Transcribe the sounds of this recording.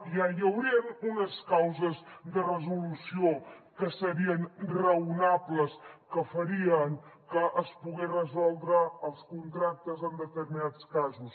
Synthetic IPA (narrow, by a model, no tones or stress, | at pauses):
iajəwɾiənunəskawzəzd̪ərəzulusiokəsəɾiənrəunapləskəfəɾiəŋkəʔəspuɣerəzɔlˠd̪ɾəːlˠskunt̪ɾak̚t̪əzənd̪ət̪əɾminatt͡skazus